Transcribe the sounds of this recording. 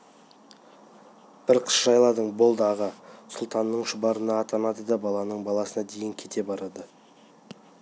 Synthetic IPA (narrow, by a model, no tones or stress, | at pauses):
b̥ɪɾqʰə̥sʒɑjlˠɑd̪əɴbo̞lˠd̪əɑʁɑsʊlˠt̪ɑnːəɴʃʊbɑɾənɑːt̪ɑnɑd̪əd̪ɑbɑlˠɑnəɴbɑlˠɑsənɑd̪e̞jɪŋkʲʰe̞t̪e̞bɑɾɑd̪ə